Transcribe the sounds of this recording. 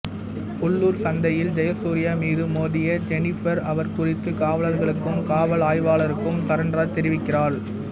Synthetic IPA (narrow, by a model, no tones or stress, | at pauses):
ʊɭːuːɾsɐnd̪ɐjɪld͡ʒɐjɐsuːɾɪjamiːðɯmoːðɪjɐd͡ʒɛnɪfɐɾɐʋɐɾkʊrɪt̪ːɯkaːʋɐɭɐɾɣɐɭɯkːɯmkaːʋɐlaːjʋaːɭɐɾɯkːɯmsɐɾɐndrat̪ɛɾɪʋɪkːɪraːɭ